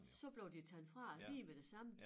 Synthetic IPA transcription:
sɒ̽b̥le̝ʊd̥it͡sʰænfʁɑ̈lḭːmed̥e̝sɑ̈mə

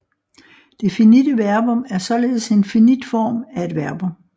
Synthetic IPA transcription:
d̥e̝finidəʋæɐb̥ɔ̽mæɐsɒ̽le̝ːð̩ˠse̝nfinid̥fɒ̰ːmæe̝d̥ʋæɐb̥ɔ̽m

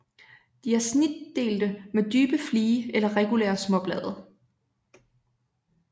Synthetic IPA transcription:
d̥iæɐsnid̥e̝̰ːld̥əmed̥yːb̥əfliːəelɐʁɛɡ̥ulḛːɐsmɒ̽b̥lɛ̰ːð̞ˠɐ

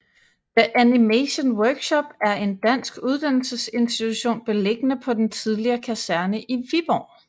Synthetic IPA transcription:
d̥əʔænimeɕənwœɐɡ̥ɕɒ̽b̥æɐe̝nd̥æn̰sɡ̥uð̞ˠd̥æn̰l̩səse̝nsd̥it͡sʰuɕo̝̰ːnb̥e̝le̝ɡ̥ənəpʰɒ̽d̥ent͡sʰið̞ˠliɐːkʰæsæɐnəʔiʋib̥ɒ̰ː

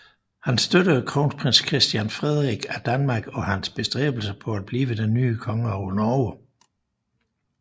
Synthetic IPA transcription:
hænsd̥øɾəkʰʁoːnspʰʁenskʰʁɛsd̥jænfʁɛð̞ˠʁiɡ̥æd̥ænmɑ̈ɡ̥ɒ̽hænsb̥e̝sd̥ʁɛ̰ːb̥l̩səpʰɒ̽æd̥̚b̥liːʋəd̥enːyːkʰɒ̽ŋəɒʊnɒːə

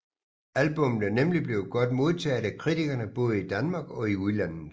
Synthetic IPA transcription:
ælb̥ɔ̽mn̩ænemlib̥le̝ʊɡ̥ɒ̽d̥mo̝ð̞ˠt͡sʰɛ̰ːd̥ækʰʁit͡sʰiɡ̥ɐnəb̥ɔ̽ːð̞ˠəid̥ænmɑ̈ːɡ̥ɒ̽iuðˠlæn̰ð̩ˠ

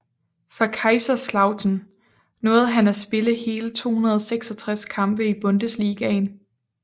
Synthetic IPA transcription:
fɑ̈kʰɑ̈ɪsɐslɑ̈ʊt͡sʰn | nɔ̽ːð̞̩ˠɦænæsb̥e̝ləhe̝ːlət͡sʰo̝̰ːhunɐð̞ˠɒ̽seɡ̥sɒ̽t͡sʰʁaskʰɑ̈mb̥əib̥ɔ̽nd̥əsliːɡ̥ɛn

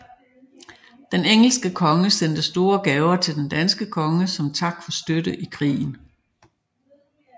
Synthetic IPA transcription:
d̥eneŋ̰l̩sɡ̥əkʰɒ̽ŋəsen̰d̥əsd̥o̝ːɐɡ̥ɛːʊɐt͡sʰe̝ld̥end̥ænsɡ̥əkʰɒ̽ŋəsɒ̽mt͡sʰɑ̈ɡ̥̚d̥fɒ̽sd̥ødəʔikʰʁḭːn̩

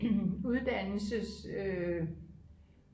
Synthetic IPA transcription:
uðˠd̥ænl̩səsø

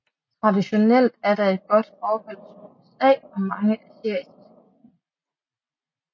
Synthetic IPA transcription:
t͡sʰʁɑ̈diɕo̝nel̰d̥æɐɾ̥ɑ̈e̝d̥̚ɡ̥ɒ̽d̥fɒːhɔl̰suesɛ̰ːɒ̽mɑ̈ŋəʔæseɐ̰sɐs

